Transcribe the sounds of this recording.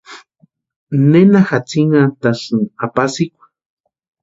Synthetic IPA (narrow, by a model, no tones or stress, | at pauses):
nenaxat͡siŋat̪asɨapasikʷḁ